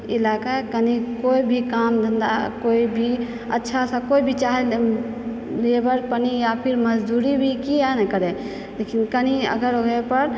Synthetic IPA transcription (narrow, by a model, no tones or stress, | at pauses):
ɪlaːkakənikoːibʱikaːmd̪ʱənd̪a̰koːibʱi | ə̰tːʃʰasakoːibʱit͡ʃaːɦe | leebəɾpənijapʰɪɾməd͡ʒd̪uːɾibʱikianakəɾe | lekʰinkəniə̰ɡəɾoɡepəɾ